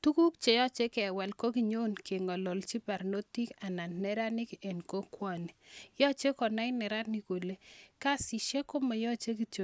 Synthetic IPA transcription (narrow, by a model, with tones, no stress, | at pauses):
tu˦ku˦kt͡ʃe˨jɔ˦t͡ʃe˦kɛ˨wɛ˨lko˦ki˨ɲo˦nke˨ŋɔ˨lɔ˨lt͡ʃi˦pa˨ɾno˦ti˦ka˨na˨nːɛ˦ɾa˦nɪ˦kɛ˨nko˦kwa˦˨ni˨jɔ˦t͡ʃe˦kɔ˨na˦ɪ˦nɛ˨ɾa˦ni˨ko˨le˦ka˦˨si˨ʃe˦ko˦mɔ˨jɔ˦t͡ʃe˦k̬i˨to˨